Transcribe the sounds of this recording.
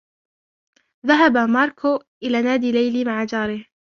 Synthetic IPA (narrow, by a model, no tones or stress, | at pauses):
ðaɦabamɑːɾˤkʰʊʔɪlaːnaːd̪iːlajlimaʕad͡ʒɑːɾɪh